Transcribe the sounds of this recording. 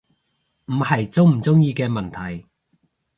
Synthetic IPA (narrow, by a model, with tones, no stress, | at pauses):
m̩˨˩hɐ˨jt͡sʊ˥wm̩˨˩t͡sʊ˥ŋjiː˧kɛː˧mɐ˨nt̪ʰɐ˨˩j